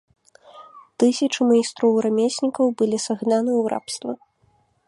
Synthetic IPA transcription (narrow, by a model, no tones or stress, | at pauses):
t̪ɨsʲɐt͡ʂɨmɐist̪ɾɔwɾamʲesʲnʲikɐwbɨlʲisaɣnanɨuɾʔa̰pst̪vɐ